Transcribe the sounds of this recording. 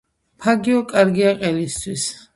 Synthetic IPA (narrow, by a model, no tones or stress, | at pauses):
pʰaɡiɔkʼaɾɡiaqʼɛlist̪ʰwis